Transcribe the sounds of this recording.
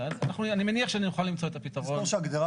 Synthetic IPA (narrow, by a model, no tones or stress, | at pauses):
ananaχnuanimeniaχʃeaninuχalːimt͡so̞et̪apitɐʁonoʃeaɡd̪eʁa